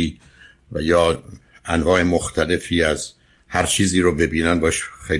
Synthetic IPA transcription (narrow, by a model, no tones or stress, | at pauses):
iː | væjɒː | ʔænvɒːʔe̞moxt̪ʰæle̞fiːæz | hæɾt͡ʃʰiːziːɾobe̞biːnænbɒeʃxej